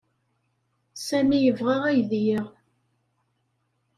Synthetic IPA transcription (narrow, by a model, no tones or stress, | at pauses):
sæmijəvʁaʁæjðjəʁ